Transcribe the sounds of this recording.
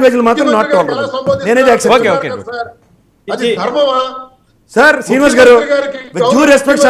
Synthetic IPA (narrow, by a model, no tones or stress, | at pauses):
ʋed͡ʒulɐmaːt̪ɾɐmnaːʈːoːlɐɾɐɐneːneːd̪ɛːkseokoke | sɐɾsɾiːniʋaːs̬ɡaːɾuʋid͡ʒuːɾespek̚ʈsa